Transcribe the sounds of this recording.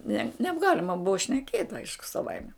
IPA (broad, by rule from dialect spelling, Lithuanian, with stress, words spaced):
nʲɛ nʲɛbˈɡɑːlʲɪmɐ ˈbʊʋɐ ʃʲnʲɛˈkʲeːtʲ ˈɐɪʃkʊ sɐˈʋɐɪmʲɛ